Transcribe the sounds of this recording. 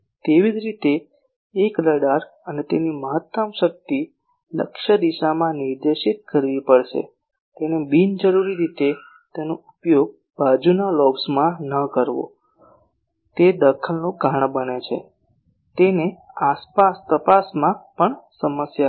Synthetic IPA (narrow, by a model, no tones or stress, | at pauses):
t̪eʋid͡ʒɾit̪eː | kləɽaɾənet̪eniməɦət̪ːəmʃək̚t̪i | lə̰kʃəd̪iʃamãniɾd̪eʃit̪̚kəɾʋipəɭʃḛ | t̪enebind͡ʒəɾuɾiɾit̪e | t̪enoupjoɡ̚ | bad͡ʒunalɔbsmãnəkəɾʋo̰ | t̪ed̪əkʰəlnõɡʱaɳ̃bənet͡ʃʰḛ | t̪eneaspast̪əpasmãpəɳsəməsja